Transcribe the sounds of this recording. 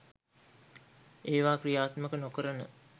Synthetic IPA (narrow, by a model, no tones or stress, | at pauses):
ʔeːʋaːkrijaːt̪məkənokəɾənə̰